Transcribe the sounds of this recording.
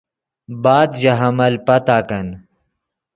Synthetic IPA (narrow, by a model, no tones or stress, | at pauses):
baːd̪d͡ʑɐɦɐmɐlpɐt̪aːkɐn